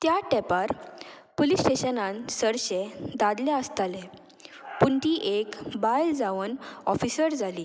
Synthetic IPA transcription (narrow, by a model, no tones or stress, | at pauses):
t̪jaʈɛpaɾ | polisʈeɕənãnsəɾɕɛ̃d̪ad̪laəst̪alɛ̃ | puɳt̪iʔekbajld͡zaʋənɔ̰fisəɾd͡zaliː